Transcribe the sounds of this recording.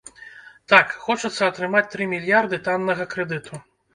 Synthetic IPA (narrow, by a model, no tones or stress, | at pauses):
t̪akxɔt͡ʂɐt̪sːɐɐt̪ɾɨmat͡sʲt̪ɾɨmʲilʲjard̪ɨt̪anːɐɣɐkɾɛd̪ɨt̪ʰu